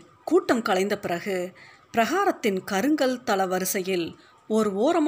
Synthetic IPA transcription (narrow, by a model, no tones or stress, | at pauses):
kuːʈːɐmkɐɭɐɪnd̪ɐpɪrɐɣɯpɪɾɐɣaːɾɐt̪ːɪnkɐɾɯŋɡɐɭt̪ɐɭɐʋɐɾɯsɐjɪl | ɔɾɯoːɾɐm